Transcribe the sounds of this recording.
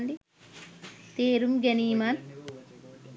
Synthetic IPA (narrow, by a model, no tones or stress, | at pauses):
nɖi | t̪eːɾumɡɐniːman